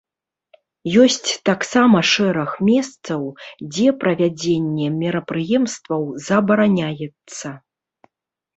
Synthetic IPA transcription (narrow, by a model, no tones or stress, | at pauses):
jɔsʲt͡sʲt̪aksamɐʂɛɾɐxmʲɛst̪sɐwd͡zʲɛpɾɐvʲad͡zʲenʲːɛmʲiɾɐpɾɨjɛmst̪vɐwzɐbɐɾanʲajɛt̪sːɐ